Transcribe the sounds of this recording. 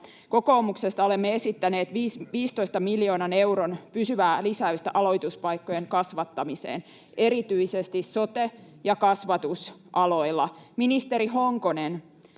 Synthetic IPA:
ko̞ko̞ːmukse̞st̪ɑolemːeesit̪ːæne̞ːt̪ʋiːsʋiːst̪o̞ist̪ɑmiljo̞ːnɑnewɾonpysyʋæːlisæyst̪æʔɑlo̞jt̪uspɑjkːojeŋkɑsʋɑt̪ːɑmisḛːn | e̞ɾit̪yisest̪isːo̞t̪e | jɑkɑsʋɑt̪usʔɑlo̞jlːɑminist̪eɾiɦoŋkonen

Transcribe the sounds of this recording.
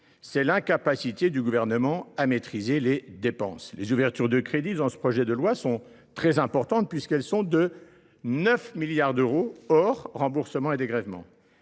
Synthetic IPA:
sɛlɛ̃kapasit̪ed̪yɡuvɛʁnəmɑ̃amet̪χizeled̪epɑ̃slezuvɛʁt̪yʁd̪əkχed̪id̪ɑ̃sə̥pχɔʒɛd̪əlwasɔ̃ | t̪χɛzɛ̃pɔʁt̪ɑ̃t̪̚pɥiskɛlsɔ̃d̪ə | nœfmiljaʁd̪øʁoɔʁːɑ̃buʁsəmɑ̃ed̪eɡʁɛvmɑ̰̃

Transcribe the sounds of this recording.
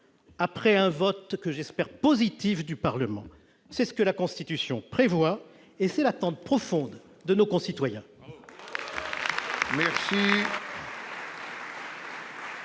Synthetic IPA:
apχɛɛ̃vɔt̪kəʒɛspɛʁpozit̪ifd̪ypaʁləmɑ̰̃ | sɛsə̥kəlakɔ̃st̪it̪ysjɔ̃pχevwa | esɛlat̪ɑ̃t̪̚pχɔfɔ̃d̪ | d̪ənokɔ̃sit̪wajɛ̃ | mɛʁsi

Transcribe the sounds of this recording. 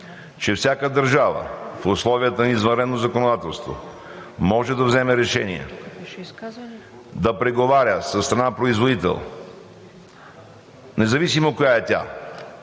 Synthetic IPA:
t͡ʃɛfsʲakəd̪ɐɾʒavə̰fʊslˠɔvijət̪əniizvɐnɾɛd̪nozɐkonod̪at̪ɛlˠst̪vo̰ | mɔʒɛd̪ɐvzɛmɛɾɛʃɛnḭɛ̰ | d̪ɐpɾɛɡovaɾʲəsəst̪ɾɐnapɾoizvod̪it̪ɛ̰lˠ | nɛzɐvisimokojaɛt̪ʲa̰

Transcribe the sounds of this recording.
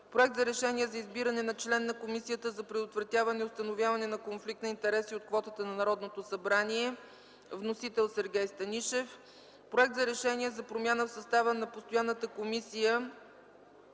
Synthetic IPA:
pɾoɛk̚t̪zɐɾɛʃɛniɛzɐizbiɾɐnɛnɐt͡ʃlɛnːɐkomisijət̪əzɐpɾɛd̪ot̪vɾɐt̪ʲjavɐnɛiost̪ɐnovʲjavɐnɛnɐkonflikt̪nɐint̪ɛɾɛsiot̪̚kvɔt̪ət̪ənɐnɐɾɔd̪not̪osɐbɾaniɛ | vnosit̪ɛlˠsɛɾɡʲɛjst̪ɐniʃɛf | pɾoɛk̚t̪zɐɾɛʃɛnʲiɛzɐpɾomjanəfsɐst̪avənɐpost̪ojanːət̪əkomisijə

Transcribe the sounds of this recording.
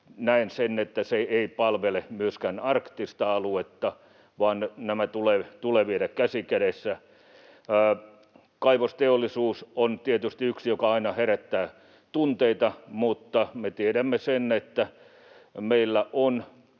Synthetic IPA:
næensenet̪ːæseeipɑlʋelemyøskænɑrkt̪ist̪ɑɑluet̪ːɑ | ʋɑːnnæmæt̪uleːt̪uleʋieɾækkæsikæɾesːæː | kɑiʋost̪eolːˑisuːsont̪iet̪yst̪iyksijokɑɑinɑheɾæt̪ːæː | t̪unt̪eit̪ɑmut̪ːɑmet̪ieɾæmːesenːet̪ːæ | meilːæʔon

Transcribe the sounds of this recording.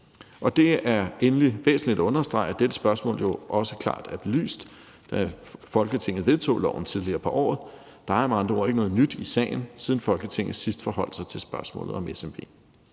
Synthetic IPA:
ʔɒ̽d̥e̝æɐenliʋḛːsn̩lid̥æɔ̽nɐsd̥ʁɑ̈ɪæd̥ed̥əsb̥ɶɐsmɔ̰̽ːljo̝ʔɒ̽səkʰl̥ɑ̰̈ːd̥æɐb̥e̝ly̰ːsd̥ | d̥æfɒ̽lɡ̥ət͡sʰe̝ŋ̰ð̩ˠʋe̝ðˠt͡sʰo̰ːlɒ̰ʊn̩t͡sʰið̞ˠliɐːpʰɒ̽ʔɒ̰ːð̞̩ˠ | d̥ɑ̈mɑ̈nd̥ʁoɐ̰e̝ɡ̥ənɔ̽ːð̩ˠnyd̥isɛ̰ɪn̩siːð̞ˠn̩fɒ̽lɡ̥ət͡sʰe̝ŋ̰ð̩ˠsisd̥fɒ̽hɒ̽l̰d̥sɑ̈ɪt͡sʰe̝lsb̥ɶɐsmɔ̰̽ːlð̩ˠɒ̽mʔesemb̥e̝̰ː

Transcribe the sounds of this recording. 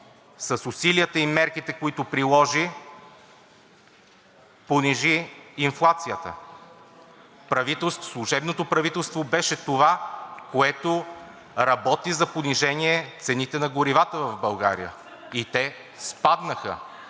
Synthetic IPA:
sɐsʊsiliət̪əimɛɾkit̪ɛkoit̪opɾilˠɔʒi | poniʒiːnflˠat̪sijət̪ə̰ | pɾɐvit̪ɛlˠst̪slˠuʒɛbnot̪opɾɐvit̪ɛlˠst̪vobɛʃɛt̪ovakoɛt̪o | ɾɐbɔt̪izɐponiʒɛniɛt̪sɛnit̪ɛnɐɡoɾivat̪əvɐvbɐlˠɡa̰ɾḭjə̰ | it̪ɛ | spad̪nəxə̰

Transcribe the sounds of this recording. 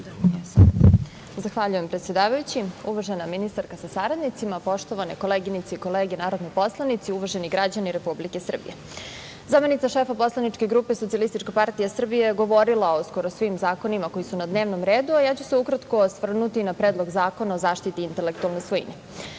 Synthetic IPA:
s | zaxʋaʎujempɾet̪sjed̪aːʋajut͡ɕiuʋaʒenaminist̪aɾkasasaɾad̪nit̪simapo̞ʃt̪o̞ʋaneko̞leːɡinit̪seiko̞leːɡenaːɾod̪nojpo̞slˠanit̪siuʋaʒeniɡɾad͡ʑaniɾe̞publikesr̩bḭje | zame̞nit̪saʃeːfapo̞slˠanit͡ʂke̞ɡɾuːpesot̪sialist̪it͡ʃkapaɾt̪ijasr̩bijeɡo̞ʋo̞ɾilˠaosko̞ɾosʋimzaːko̞nimako̞jisunad̪neːʋnomɾeːd̪uajat͡ɕuseukɾat̪ko̞sʋr̩nut̪inapɾed̪lˠo̞ɡzaːko̞naozaːʃt̪it̪iint̪ele̞k̚t̪ualnosʋoḭne

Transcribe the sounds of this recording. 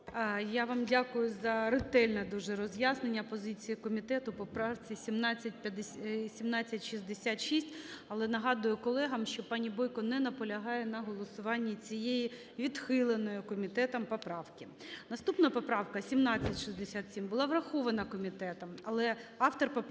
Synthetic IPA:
jaʋɑmdʲakʊjʊzɐrɪt̪ɛlʲnɐd̪uʒɛɾɔzʲjasnenʲːɐpɔzɪt͡sʲijikɔmʲit̪ɛt̪ʊpɔpɾɑʋt͡sʲisʲimnɑt͡sʲːɐt̚ʲpʲɐd̪esʲimnɑt͡sʲːɐtʲʃizd̪esʲat̪ʃisʲtʲɐlˠɛnɐɦɑd̪ʊjʊkɔlˠɛɦɐmʃt͡ʃɔpɑnʲibɔjkɔnɛnɐpɔlʲɐɦɑjɛnɐɦɔlˠɔsʊʋɑnʲːit͡sʲijeji | ʋʲid̪xɪlˠenɔjʊkɔmʲit̪ɛt̪ɐmpɔpɾɑʋkʲɪ | nɐst̪upnɐpɔpɾɑwkɐsʲimnɑt͡sʲːɐtʲʃizd̪esʲat̪sʲimbʊlˠɑʋɾɐxɔʋɐnɐkɔmʲit̪ɛt̪ɐmɐlˠɛɑft̪ɔrp

